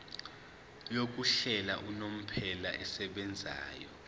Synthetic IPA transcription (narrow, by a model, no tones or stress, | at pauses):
jok̬ʼuɬɛlaʔunom̩pʰɛlaʔɛsɛɓɛnd͡zʱa̰ːjɔ